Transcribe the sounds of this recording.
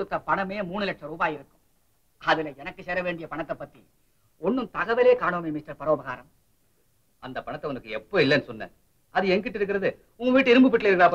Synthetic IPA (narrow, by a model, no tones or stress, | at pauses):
ɽɯt̪ːɐpɐɳɐmeːmuːɳɯlɛʈʂɐɾuːbaːjɪɾɯkːɯ̥̃m | ɐðɪlɐɛnɐkːɯsɛːɾɐʋeːɳɖɪjɐpɐɳɐt̪ːɐpːɐt̪ːḭ | ɔnːɯmt̪ɐɣɐʋɐleːkaːɳoːmeːmɪsʈɐɾpɐɾoːbɐɣaːɾɐm | ɐnd̪ɐpɐɳɐt̪ːɐɔnɐɯkːɯɛpːoːɪlːɛnːɯsɔnːɐ̰ | ɐðɯɛŋɡɪʈːɪɾɯk̬ːɪɾɐðɯ | ʊŋɡɐʋiːʈ̬ːɯɪɾɯmbɯpːɪʈːlɐɪɾɯkːɪɾaːpːɐ